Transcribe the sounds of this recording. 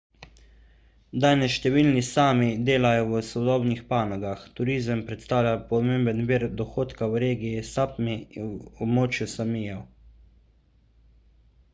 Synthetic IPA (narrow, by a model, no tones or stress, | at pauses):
d̪aːnɛsʃt̪ɛʋilnisaːmid̪eːlajɔwəsɔd̪ɔːbnixpaːnɔɡaxt̪uɾiːzəmpɾɛt̪st̪aːwlʲjapɔmeːmbənʋiːɾd̪ɔxoːt̪kawɾeːɡijisapmiwɔbmoːt͡ʃjusamijɔw